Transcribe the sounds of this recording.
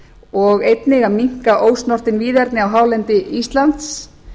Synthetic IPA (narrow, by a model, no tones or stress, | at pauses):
ɔɣejt̪nɪɣamiŋ̥kaʔoːwsnɔr̥t̪ɪnviːðɛɾt̪nɪawɦaːwlɛnt̪ɪist̪lant̪s